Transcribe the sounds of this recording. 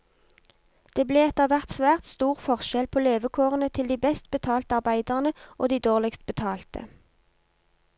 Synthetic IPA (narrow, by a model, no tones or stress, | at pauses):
d̪̥eːbleːɛt̪əʁʋæʁt̪sʋæːʁt̪st̪uːʁfɔʁʃɛlpʰoːleːʋəkʰoːʁənət̪ʰɪld̪iːbɛst̪̚bət̪ʰɑːlt̪əɑʁbæɪd̪əʁnəʔoːd̪iːd̪oːʁlɪkst̪̚bət̪ʰɑːlt̪ə̰